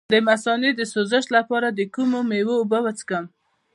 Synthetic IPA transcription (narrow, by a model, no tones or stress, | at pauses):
d̪əmasɑned̪əsozəʃlapɑɾad̪əkumomewoːbawat͡sə̥kəm